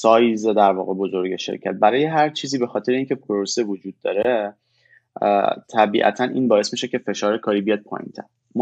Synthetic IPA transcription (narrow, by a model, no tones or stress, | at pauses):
sɒːjzed̪æɾvɒ̰ːɣe̞bozo̞ɾɟeʃe̞̰ɾcʰæt̪̚bæɾɒːjeɦæɾt͡ʃʰiːziːbe̞xɒːt̪ʰeɾeiːncʰe̞pʰoɾosevod͡ʒuːd̪ːɒ̰ːɾe | t̪ʰæbḭːʔæ̰t̪ʰænʔḭːnbɒːe̞smiʃecʰe̞fe̞ʃɒːɾekʰɒːɾiːbijɒd̪̚pʰɒ̰ːjḭnt̪ʰæ̰n | m